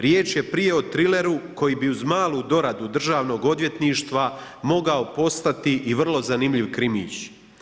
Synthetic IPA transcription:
ɾje̞ːt͡ʃje̞pɾije̞ot̪ɾile̞ɾuko̞jiːbiuzmaːlˠuːd̪o̞ɾad̪ud̪r̩ʒaːʋno̞ːɡo̞d̪ʋje̞t̪niːʃt̪ʋa | mo̞ɡao̞po̞st̪at̪iʔiʋr̩lˠo̞zanimʎiʋkɾimḭːt͡ɕ

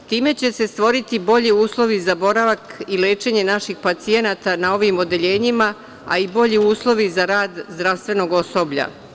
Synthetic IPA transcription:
t̪iːme̞t͡ɕe̞se̞st̪ʋo̞ɾit̪ibo̞ʎiuːslˠo̞ʋizabo̞ɾaʋakileːt͡ʃe̞ɲe̞naʃixpat̪sie̞nat̪anao̞ʋimo̞d̪e̞ʎe̞ːɲima | a̰ibo̞ʎiuːslˠo̞ʋizaɾaːd̪zd̪ɾaʋst̪ʋe̞no̞ɡo̞so̞bʎa̰

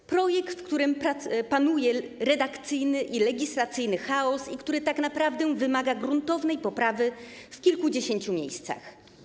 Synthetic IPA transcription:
pɾɔjɛkt̪fkt̪uɾɘmpapanujɛɾɛd̪akt̪sɘjnɘʔilɛɡʲislat̪sɘjnɘxaɔsikt̪uɾɘt̪aknapɾavd̪ɛw̃vɘmaɡaɡɾunt̪ɔvnɛjpɔpɾavɘfkʲilkud͡ʑeɕeɲt͡ɕumʲjḛjst̪sa̰x

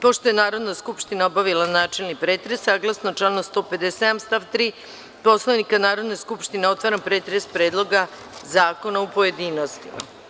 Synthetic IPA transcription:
poʃt̪o̞je̞naːɾo̞d̪naskupʃt̪inaobaʋilanaːt͡ʃelnipɾeːt̪ɾesaːɡlˠasnot͡ʃlanost̪o̞ːpe̞d̪esed̪amst̪aʋt̪ɾiː | po̞slˠoʋnikanaːɾod̪neskupʃt̪ineo̞t̪ʋaɾanpɾeːt̪ɾespɾeːd̪lˠo̞ɡa | zaːko̞naupo̞jed̪iːno̞st̪ima̰

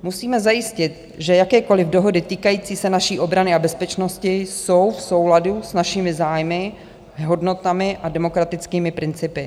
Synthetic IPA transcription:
musiːmɛzajɪscɪt̪̚ | ʒɛjakɛːko̞lɪvdo̞ɦo̞dɪt̪iːkajiːt͡siːsɛnaʃiːʔo̞bɾanɪabɛspɛt͡ʃno̞scɪso̞wfso̞wladusnaʃɪmɪzaːjmɪ | ɦo̞dno̞t̪amɪʔadɛmo̞kɾat̪ɪt͡skiːmɪpɾɪnt͡sɪpɪ

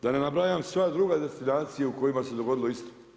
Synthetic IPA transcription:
d̪anenabɾajamsʋad̪ɾuɡad̪e̞st̪inaːt̪sijeuko̞jimase̞d̪o̞ɡo̞d̪ilo̞ist̪o̥

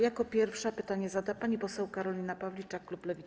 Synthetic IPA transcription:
jakɔpʲjɛɾfʂapɘt̪aɲɛzad̪apaɲipɔsɛwkaɾɔlʲinapavlʲit͡ʂakluplɛvʲi

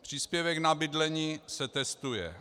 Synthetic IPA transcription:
pr̝̥iːspjɛvɛknabɪdlɛɲiːsɛt̪ɛst̪ujɛ̰

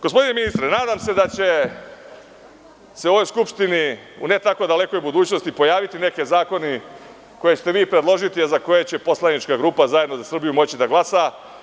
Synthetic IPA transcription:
ɡ̥ospo̞d̪ine̞minist̪ɾenaːd̪amse̞d̪at͡ɕe̞ | seoʋo̞jskupʂt̪ini | ṵne̞t̪ako̞d̪ale̞ko̞jbud̪uːt͡ɕno̞st̪ipo̞jaːʋit̪ine̞ke̞zaːko̞ne | ko̞je̞t͡ɕe̥t̪eʋiːpɾe̞d̪lˠo̞ʒit̪iazako̞jet͡ɕe̞po̞slˠanit͡ʃkaɡɾuːpazajeno̞zasr̩bijumo̞t͡ɕid̪aɡlasa

